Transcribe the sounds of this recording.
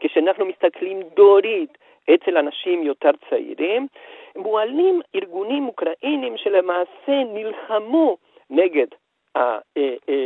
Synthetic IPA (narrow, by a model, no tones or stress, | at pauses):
keʃeanaχnumist̪aklimd̪oɾit̪ | ʔet͡se̞lanaʃimjo̞teʁt͡saḭʁimmualimiʁɡunimukʁaʔenimʃelemaːse̞nilχamu | ne̞ɡe̞d | ha̰